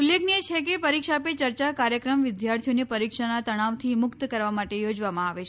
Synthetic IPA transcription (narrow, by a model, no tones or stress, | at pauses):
ulːekniet͡ʃʰekepəɾikʃapet͡ʃəɾt͡ʃakaɾjəkɾəmʋɪd̪jaɾt̪ʰijonepəɾikʂanat̪əɽ̃aʋt̪ʰimʊkt̪kəɾʋamaʈejod͡ʒʋamãaʋet͡ʃʰ